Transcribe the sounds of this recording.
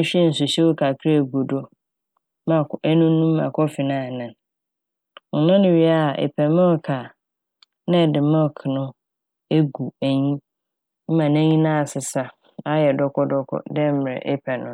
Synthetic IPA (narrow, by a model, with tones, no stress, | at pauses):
ɕᶣi˦n̩˨sʊ˨ɕɛ˦wo˦kʰa˨kʰɾa˦˨ɡo˨do˦ | mã˨æ˦nũ˦nũ˦mː˦ã̰˨kʰɔ˦fɪ˨nãː˦˨nã˨n | ɔ˨nã˦nʊ̃˨ɥi˨a˦˨ʔɛ̰˨pʰɛ˨mã˦˨kʰa˨ | nɪ̃˦˨dɪ˨mɔ̃˦˨kʰnʊ̃˦ | e˦ɡu˨æ˨ɲĩ˦ | m̩˦mã˨nɛ̃˦ɲĩ˦nã˦˨sɪ˨sa˦ | a˦jɛ˨dɔ˦kʰɔ˦dɔ˦kʰɔ̰˦dɛ˦m̩˦mɪ˨ɾɛ̰˨ʔɛ˦pʰɛ˨nʊ̃˦